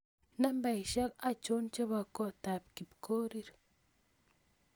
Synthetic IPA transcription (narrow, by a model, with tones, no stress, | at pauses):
na˦mba˨iʃa˦ka˨t͡ʃo˦nt͡ʃa˦βa˨ko˦˨ta˨p̚ki˨pko˦ɾiɾḁ